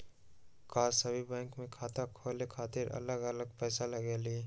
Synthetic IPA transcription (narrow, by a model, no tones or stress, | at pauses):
kaːsəbʱibɛ̃ːŋkmẽkʰaːt̪akʰoːlekʰaːt̪ɪɾɐ̰ləɡələɡ̚pɛːsalɐɡeːliː